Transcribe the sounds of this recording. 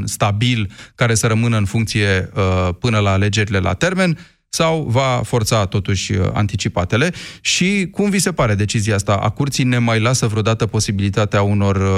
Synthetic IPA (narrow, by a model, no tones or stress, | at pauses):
st̪abilkaɾe̞səɾəmɨnəɨnfuŋkt̪sije̞əpɨnəlaːle̞d͡ʒe̞ɾile̞lʔa̰t̪e̞rme̞n | sawvafo̞rt̪sat̪o̞t̪uʃʲa̰nt̪it͡ʃipat̪e̞le̞ʃikumvise̞paɾe̞d̪e̞t͡ʃiziaast̪aʔa̰kurt̪sijne̞majlasəvɾeod̪at̪əpo̞sibilit̪at̪eauno̞r